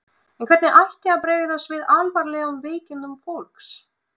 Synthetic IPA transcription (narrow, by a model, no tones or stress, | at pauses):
ɛnkʰvɛɾt̪nɪʔajhcɪapɾeːjðɪθasvɪðalvaɾlɛʏmvɪːcɪnʏmfowlks